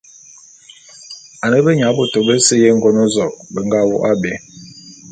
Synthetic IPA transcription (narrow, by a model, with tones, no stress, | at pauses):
a˨nə˦bə˦ɲa˨˦bo˨to˨bə˦sə˦je˦ŋ̩˦ɡo˦no˦zɔ˨k̚bə˨ŋɡa˦˨wɔ̰˦ʔa˦be˨˦